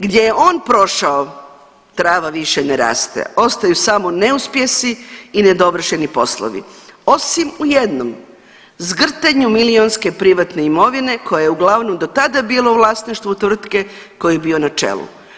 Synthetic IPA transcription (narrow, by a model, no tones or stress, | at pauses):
ɡd̪jejeʔo̞ːnpɾo̞ʃao | t̪ɾaːʋaʋiʃeneɾa̰ːst̪ḛo̞st̪ajusamo̞ne̞uspjesiːned̪o̞br̩ʃenipo̞̰slˠo̰ʋḭo̞simujed̪nom | zɡr̩t̪eɲumilionske̞pɾiʋat̪ne̞imo̞ʋine̞kʰo̞jajeuɡlˠaʋnomd̪o̞t̪ad̪abiːlˠoʋlˠaːsniʃt̪ʋut̪ʋr̩t̪ke̞ | ko̞jijebio̞nat͡ʃḛlˠṵ